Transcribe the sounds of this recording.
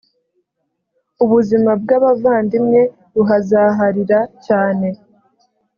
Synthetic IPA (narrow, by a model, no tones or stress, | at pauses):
uβuzimab̚ɡaβavaːndimŋe̞ | βuɦazaːɦaɾiɾacaːne̞